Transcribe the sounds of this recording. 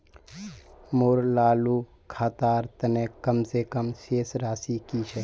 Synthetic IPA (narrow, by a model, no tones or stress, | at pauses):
moɾlaːlu | kʰaːt̪aːɾt̪ɐnẽːkəmsekəmʃeːsɾaːsikiːt͡ʃʰɛ